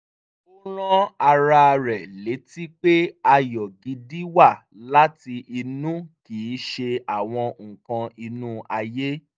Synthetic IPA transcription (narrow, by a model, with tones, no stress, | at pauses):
o˦ɾ̃ɔ̃˦a˧ɾa˧ɾɛ˨le˨˦ti˦k͡pe˦a˧jɔ˨ɡi˨˧di˦wa˦˨ | la˦ti˧ʔi˧nũ˦kiː˨˦ʃe˧a˨w̃ɔ̃˧ŋ̩̃˨kã˧i˧nũ˦a˧je˦